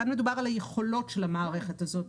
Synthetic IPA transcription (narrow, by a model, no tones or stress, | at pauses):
anme̞dubaʁalajeχo̞lo̞tʃelamaːʁeχetazo̞t